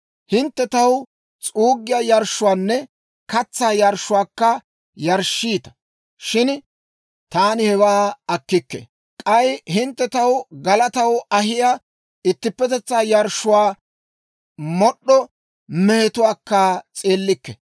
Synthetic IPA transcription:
hɪnt̪ːɛt̪ɐw | t͡sʼuːɡːɪjajɐɾʃʊwaːnːɛ | kɐt͡sːaːjɐɾʃːʊwaːkːɐ | jɐɾʃːiːt̪ɐ̥ | ʃɪn | t̪aːnɪhɛwaːɐkːɪkːɛ̰ | kʼɐjhɪnt̪ːɛt̪ɐwɡɐlɐt̪ɐwɐhɪja | ɪt̪ːɪpːɛt̪ɛt͡sːaːjɐɾʃʊwaː | mɔɗːɔ | mɛhɛt̪ʊwaːkːat͡sʼeːlːɪkːɛ̰

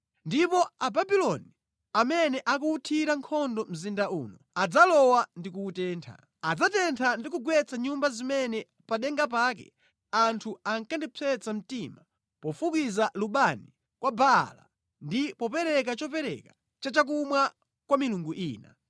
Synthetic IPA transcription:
ndipɔababilɔni | amɛnɛʔakuːtʰiɾaŋkʰɔndɔm̩zindaṵːnɔ | ad͡zalɔwandikuːtɛːntʰa̰ | ad͡zatɛntʰandik̬uɡwɛt͡sʰaɲumbazimɛnɛ | paɗɛŋɡapaːkɛ̰ | antʰuaŋkandit͡sʰɛt͡sam̩tima | pɔfukizaluɓani | kwabala̰ | ndipɔpɛɾɛk̬at͡ʃɔpɛɾɛ̰kḁ | t͡ʃat͡ʃak̬umwa | kwamiluŋɡuʔiːna̰

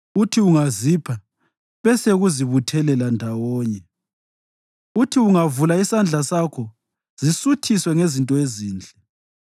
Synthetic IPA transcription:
utʰiuŋazipʰa | βɛseɣuziβutʰɛlɛlandʱawɔːɲɛ | utʰiuŋavulaisand͡ɮʱasakʰɔ | z̥isutʰiswɛŋezintʼɔeziːnd͡ɮʱɛ

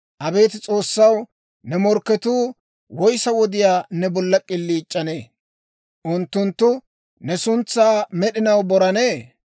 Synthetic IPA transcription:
ʔɐbe̞ːt̪ɪt͡sʼo̞ːsːɐw | nɛmɔɾkːɛt̪uː | wɔjsɐwɔd̪ɪjaːnɛbɔlːɐkʼɪlːiːt͡ʃʼːɐneː | ʔʊnt̪ːʊnt̪ːʊ | nɛsʊnt͡sːaːmɛɗɪnɐwbɔɾɐneː

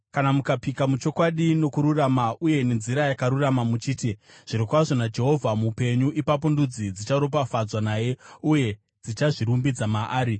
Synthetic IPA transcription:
kanamukapikamut͡ʃo̞kwaɗino̞kuɾuramaʔuje̞ne̞nziɾajakaɾuramamut͡ʃiːtiʐ̥iɾikwaʐo̞nad͡ʒe̞ɦo̞vʱamupe̞ɲuʔipap̬o̞ndud͡zid͡zit͡ʃaɾo̞p̬afad͡zwanaːje̞uje̞ | d͡zit͡ʃaʐiɾumbid͡zamaʔaːɾi

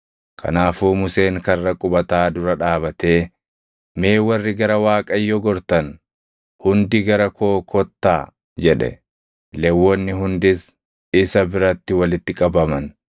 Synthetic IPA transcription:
kʰɐ̰naːfuːmʊse̞ːŋkɐrːɐkʼʊbɐt̪aːd̪ʊɾɐᶑaːbɐt̪e̞ː | me̞ːwɐrːɪɡɐɾɐwaːkʼɐjːɔɡɔɾt̪ɐn | hʊnd̪ɪɡɐɾɐkoːkʰɔt̪ːaː | d͡ʒɛᶑɛ̰ | lɛwːɔnːɪɦʊnd̪ɪs | ɪsɐbɪɾɐt̪ːɪwɐlɪt̪ːɪkʼɐbɐmɐn

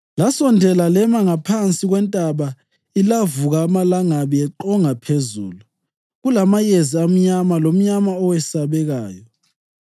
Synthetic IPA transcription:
lasɔndʱɛlalɛmaŋapʰant͡sʼiɣwɛntʼaβa | ilavuɣaːmalaŋaβɛɛǃɔŋapʰezṵːlu | ɣulamajeziam̩ɲamalom̩ɲamaɔwɛsaβɛɣaːjɔ

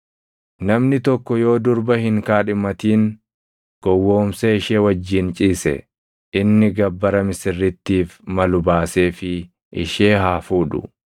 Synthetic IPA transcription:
nɐmnɪt̪ɔkːɔjo̞ːd̪ʊɾbɐhɪŋkaːᶑɪmɐt̪iːn | ɡ̥ɔwːo̞ːmsɐɪʃeːwɐd͡ʒːɪnt͡ʃʼiːsɛ̰ | ʔɪnːɪɡɐbːɐɾɐmɪsɪrːɪt̪ːiːfmɐlʊbaːse̞ːfɪ | ʔɪ̰ʃe̞ːɦaːfuːᶑʊ̰

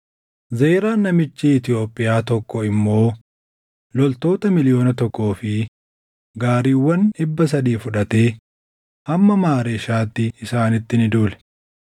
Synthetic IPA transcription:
zeːɾaːnːɐmɪt͡ʃːiɪt̪ɪo̞ːpʼːɪjaːt̪ɔkːɔɪmːo̞ː | lɔlt̪o̞ːt̪ɐmɪlɪjo̞ːnɐt̪ɔkːo̞ːfɪ | ɡaːɾiːwːɐnɪbːɐs̬ɐd̪iːfʊᶑɐt̪e̞ː | hɐmːɐmaːɾeːʃaːt̪ːɪːsaːnɪt̪ːɪnɪd̪uːlɛ̥

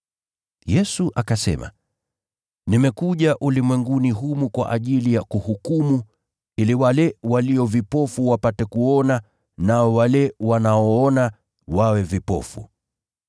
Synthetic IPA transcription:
jɛsuʔakasɛ̰ma̰ | nimɛkuʄaʔulimwɛŋɡuniɦumukwa̰ʔaʄilijakuhukumu | iliwalɛwaliɔvipɔfuwapatɛkuɔna | naɔwalɛwanaɔɔna | wawɛvipɔ̰fṵ

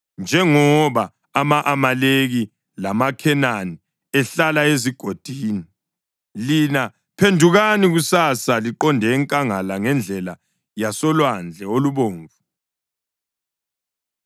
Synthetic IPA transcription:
nd͡ʒʱɛŋɔβaː | maʔamaleɣi | lamakʰɛnani | ɛɬalaeziɡ̥ʱod̥ʱiːni | lina | pʰendʱuɣaniɣusasaliǃɔndʱɛŋkʼaŋalaŋɛnd͡ɮʱɛla | jasɔlwand͡ɮʱɛoluβoːɱvu

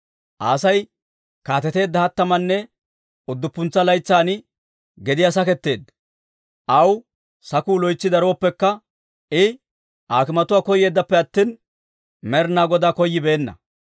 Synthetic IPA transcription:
ʔaːsɐj | kaːt̪ɛt̪e̞ːd̪ːɐhɐt̪ːɐmɐnːɛ | ʊd̪ːʊpːʊnt͡sːɐlɐjt͡sːaːnɪ | ɡɛd̪ɪjaːs̬ɐkɛt̪ːe̞ːd̪ːɐ̥ | ʔɐw | sɐkuːlɔjt͡sːɪd̪ɐɾoːpːɛkːɐ | ɪ | ʔaːkɪmɐt̪ʊwaːkɔje̞ːd̪ːɐpːɛɐt̪ːiːn | mɛɾnaːɡɔd̪aːkɔjːɪbe̞ːnːɐ̰

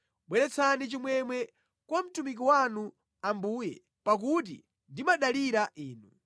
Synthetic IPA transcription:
ɓwɛɾɛt͡sʰanit͡ʃimwɛmwɛ | kwam̩tumik̬iwanu | ambuːjɛ | pak̬ut̬ḭ | ndimaɗaliɾaʔiːnu

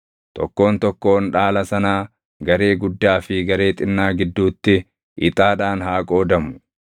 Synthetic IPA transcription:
t̪ɔ̰kːo̞ːnt̪ɔkːo̞ːnᶑaːlɐsɐnaː | ɡɐɾe̞ːɡʊd̪ːaːfɪɡɐɾe̞ːt̪ʼɪnːaːɡɪd̪ːuːt̪ːɪ | ʔɪt̪ʼaːᶑaːnɦaːkʼo̞ːd̪ɐmʊ̥

